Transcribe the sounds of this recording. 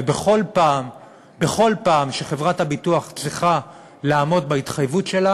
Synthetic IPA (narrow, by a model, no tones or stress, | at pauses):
beχo̞lpaːm | be̞χo̞lpaːmʃeχe̞vʁathabituaχt͡sʁiχa | laːmo̞dbait̪χajvutʃe̞la